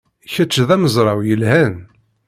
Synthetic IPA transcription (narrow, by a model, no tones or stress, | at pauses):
çət͡ʃːðæməzˤɾˤɑwjəlhæn